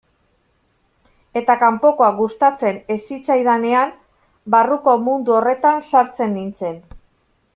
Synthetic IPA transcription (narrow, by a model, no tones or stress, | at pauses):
e̞t̪akampo̞ko̞aɡust̪at͡se̞ne̞sit͡sajð̞ane̞am | baruko̞mund̪uo̞re̞t̪ansaɾt͡se̞nːint͡se̞n